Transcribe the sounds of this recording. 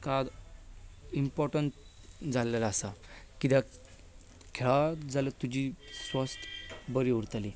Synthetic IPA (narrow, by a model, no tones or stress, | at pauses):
kad̪ | impɔɾʈəɳt | d͡zʱalalaəsakit̪a | kʰeɭad͡zʱalət̪ud͡ʑisʋəst̪ʰbəɾiʋuɾt̪ali